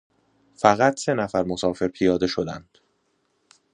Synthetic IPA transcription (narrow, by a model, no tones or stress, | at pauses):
fæɣæt̪ʰse̞næfæɾmo̞sɒːfe̞ɾpʰijɒːd̪e̞ʃo̞d̪ænd̪̥